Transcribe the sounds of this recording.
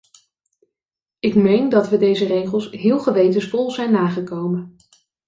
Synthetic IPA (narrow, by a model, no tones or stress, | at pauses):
ɪkmejndɑtʋədejzərejχəlˠsɦɪːlˠχəʋejtənsfɔlˠzɛjnːaːχəkowmən